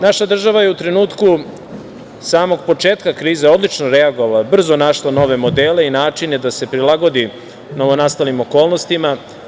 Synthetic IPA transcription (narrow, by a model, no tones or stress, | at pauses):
naʃad̪r̩ʒaʋajeut̪ɾe̞nuːt̪ku | saːmo̞ɡpo̞t͡ʂe̞ːt̪kakɾiːzeo̞d̪lit͡ʃnoɾeaɡo̞ʋalabr̩zo̞naʃlˠano̞ʋe̞mo̞d̪eːle̞inaːt͡ʂine̞d̪ase̞pɾilˠaɡo̞d̪i | no̞ʋo̞nast̪alimo̞ko̞ːlˠno̞st̪ima